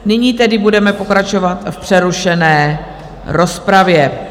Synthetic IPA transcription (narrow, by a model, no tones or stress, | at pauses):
nɪɲiːt̪ɛdɪbudɛmɛpo̞kɾat͡ʃo̞vat̪fpr̥ɛɾuʃɛnɛː | ɾo̞spɾavjɛ